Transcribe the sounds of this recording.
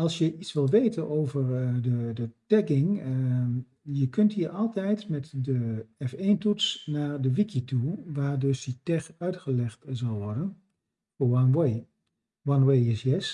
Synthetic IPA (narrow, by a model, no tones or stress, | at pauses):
ɑlˠsjəʔitsʋɪlˠʋeːtənowvəɹdədətɛkɪŋ | jəkɵntɦiːɹʔɑlˠtɛjtmɛtdəɛfentutsnaːɹdəʋikituʋaːɹdøsditɛxœɥtχəlɛχtzɑlˠʋɔɹdən | fwɔnwe | wɔnwejɪsjɛs